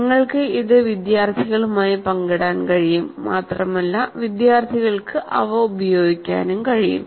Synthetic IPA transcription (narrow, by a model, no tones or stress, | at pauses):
ŋːɐɭkɨiðɨʋid̪jaːrt̪ʰiɣɐɭumaːjipɐŋɡɐɽaːnkɐɻijumːaːt̪rɐmɐlːɐʋid̪jaːrt̪ʰiɣɐɭkɨʔɐ̰ʋɐubɐjo̞ːɡikʲːa̰ːnumkɐɻijṵm